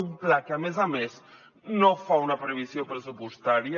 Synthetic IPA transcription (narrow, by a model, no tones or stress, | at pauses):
umplakamezames | nõfaunɐpɾeβisjopɾesupust̪aɾjɐ